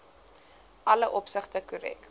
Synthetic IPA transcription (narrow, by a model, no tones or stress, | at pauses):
ʔɐləʔɔpsəχtəkuɾɛ̰k